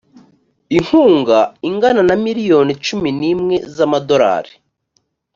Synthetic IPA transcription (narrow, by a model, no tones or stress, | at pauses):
iŋ̥huːŋɡaiŋɡananamiɾijo̞nit͡ʃuminiːmŋe̞zamado̞ɾa̰ːɾi